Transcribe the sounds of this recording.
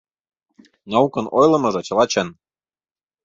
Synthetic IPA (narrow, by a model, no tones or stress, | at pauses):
nɑukɤ̆nojlɤ̆mɤ̆ʒɤ̆t͡ɕɤ̆lˠɑt͡ɕɤn